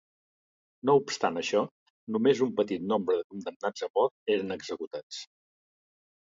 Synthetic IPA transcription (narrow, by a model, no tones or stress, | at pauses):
noupst̪anəʃɔ | numezumpət̪it̪nombɾəðəkund̪əmnad͡zəmɔɾt̪eɾənəɡzəkut̪at͡s